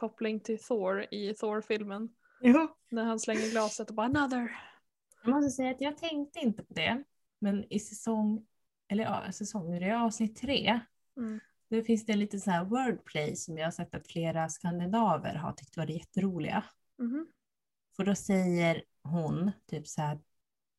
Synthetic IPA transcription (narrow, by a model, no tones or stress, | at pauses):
kʰɔplɪŋt̪ʰɪlθoːɾɪθoːɾfɪlmən | jɑnæɾhanslɛŋːəɾɡlɑːsət̪ɔbaːnaðəɾ | jɑːmɔst̪əsɛjːaːt̪jɑːɡ̚t̪ʰɛŋk̚t̪əɪnt̪əpʰɔd̪ɛ | mɛnɪsɛsɔŋ | ɛlːəɾ̰sɛsɔŋːɾɛɑːvsnɪt̪ʰːɾeː | d̪̥æfɪnsd̪ɛnliːt̪ənsnæːɾwœːɖpʰlɛjsɔmjɑːhasɛk̚t̪ːat̪fleːɾaskand̪ɪnɑːvə̰ɾɦa̰ʈʰʏk̚ːt̪əvaɖɛjɛt̪ːəɾuːlɪ̰ɡa̰ | fœɖɔsɛjːəɾ | ɦʊnt̪ʰyːpshæːɾ